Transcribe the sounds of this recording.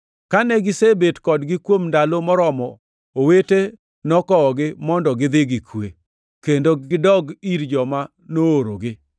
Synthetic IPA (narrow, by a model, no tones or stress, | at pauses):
kanɛɡɪsebetkɔdɡɪkwomndalomɔɾɔmɔ | owete | nɔkɔɔɡɪmɔndɔɡɪd̪ɪɡɪkʰwḛ | kendoɡɪdɔɡiɾd͡ʒɔma | nooɾoɡɪ